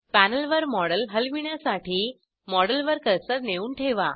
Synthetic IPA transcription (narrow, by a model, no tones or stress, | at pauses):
pænəlʋəɾmɔɽəlɦəlʋiɳjasaʈʰiː | mɔɽəlʋəɾkəɾsəɾneuːɳʈʰeʋa̰